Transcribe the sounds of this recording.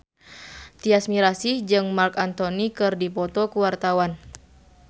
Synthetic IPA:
t̪iasmiɾasihd͡ʒɨŋmarkant̪onikɨrdipɔt̪ɔkuwart̪awan

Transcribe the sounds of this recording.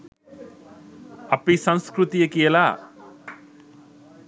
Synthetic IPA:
ɐpːisɐnskɾut̪ijɐkijɐlaː

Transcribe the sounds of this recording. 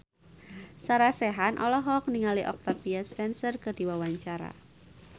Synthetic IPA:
saɾasɛɦanʔɔlɔɦɔk̚niŋaliʔɔk̚t̪apiaspɛnsərkərd̥i̤wawaɲt͡ʃaɾa̰

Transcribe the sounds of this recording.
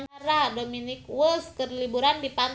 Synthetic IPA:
naɾadominikwəskərlibuɾandipan

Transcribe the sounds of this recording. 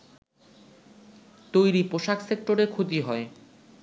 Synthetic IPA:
t̪ojɾipoʃaksek̚ʈoɾekʰot̪iɦɔe

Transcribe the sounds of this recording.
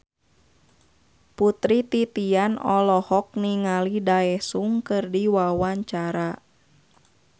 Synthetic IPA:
put̪ɾit̪it̪ianɔlɔhɔk̚niŋalidaɛhsuŋkɨrdiwawaɲt͡ʃaɾa

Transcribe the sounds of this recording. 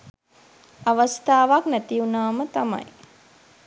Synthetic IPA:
aʋəst̪ʰaːʋaknæt̪iunaːmət̪ama̰j

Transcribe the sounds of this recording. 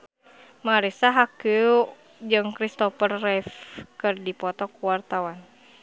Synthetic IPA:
maɾisaɦakɨ | d͡ʒɨŋkɾist̪ɔfərːɛfkɨrdipɔt̪ɔkuwart̪awan

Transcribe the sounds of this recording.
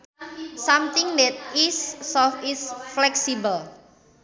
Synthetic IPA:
samt̪ɪŋmɛt̪̚isːɔfisflɛksibəl

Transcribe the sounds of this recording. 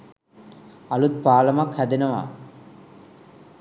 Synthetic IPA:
ɐlut̪̚paːlɐmakʰɐd̪inɐma̰

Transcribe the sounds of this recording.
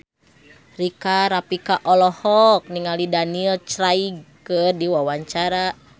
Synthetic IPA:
rikaɾapikaʔɔlɔhɔk̚niŋalidaniɛlt͡ʃɾaiɡ̚kərdiwawaɲt͡ʃaɾa

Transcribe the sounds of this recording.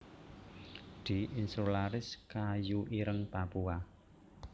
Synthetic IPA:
d̪̥iinsulaɾɪskajuʔiɾəŋpapua

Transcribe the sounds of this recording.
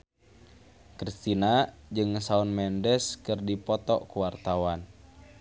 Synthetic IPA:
kɾist̪inad͡ʒɨŋsaunmɛndɛskɨrdipɔt̪ɔ̰kuwart̪awan

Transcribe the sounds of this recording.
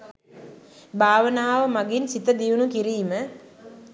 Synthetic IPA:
bʱaːʋənaːʋəmaɡinsit̪əd̪iʋunukiɾiːmə

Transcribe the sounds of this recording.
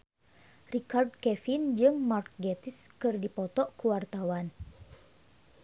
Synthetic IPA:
rikard̚kɛfind͡ʒɨŋmark̚ɡɛt̪iskɨrdipɔt̪ɔʔkuwart̪awan

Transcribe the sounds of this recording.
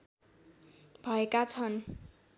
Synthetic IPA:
bʱʌekat͡sʰʌn

